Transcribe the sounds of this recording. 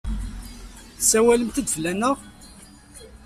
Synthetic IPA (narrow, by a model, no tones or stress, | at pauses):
sæwæləmt̪əd̪vlænəʁ